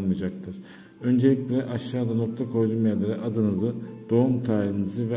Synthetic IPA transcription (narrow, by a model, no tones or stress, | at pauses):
mɯd͡ʒak̚t̪ʰɯɾ̥ | ø̞nd͡ʒeicʲlʲeɾɛʔaʃːaːd̪ano̞k̚t̪ʰakʰo̞jd̪umjalʲeɾɛʔad̪ɯnɯzɯd̪̥o̞umt̪ʰaːɾiinɯzɯvɛ